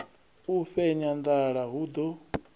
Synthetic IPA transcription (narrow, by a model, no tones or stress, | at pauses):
uɸɛɲand̪aɺaɦud̪ɔ